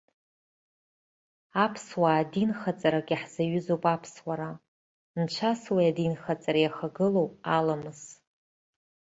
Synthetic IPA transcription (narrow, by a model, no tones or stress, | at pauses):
apʰswaːdinχat͡sʼaɾaɡʲiħz̥aɥʏzowpʼapʰswaɾa | nt͡ʃʷʰaswiadinχat͡sʼaɾajaχaɡɨlowʼalamɨz